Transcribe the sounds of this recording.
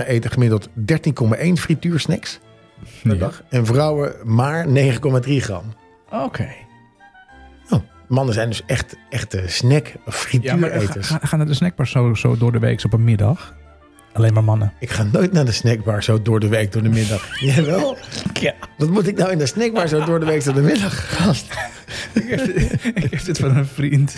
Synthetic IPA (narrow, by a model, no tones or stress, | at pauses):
ʔejtəχəmɪdlˠtdɛɹtinkɔmaʔejnfrityːɹsnɛks | ədɑχɛnvrɔwəmaːɹnejχəkɔmadriχrɑ̰m | okʰej | ow | mɑnəzɛjndøsɛχtɛχtəsnɛkɔffrityːɹejtəɹsxaːnadəsnɛk̚baɹsosodʊɹdəʋḛːksɔpənmɪdɑx | alenmamɑnəɪkχaːnoːjtnadəsnɛk̚baɹsowdʊːɹdəʋejkdʊːɹdəmɪdɑxjaʋɛlˠ | ʋɔtmutɪk̚dawɪndəsnɛk̚baɹsowdʊːɹdəʋejksɔəmɪdɑxaːst | ɪkɛdɪtfɔnənfrint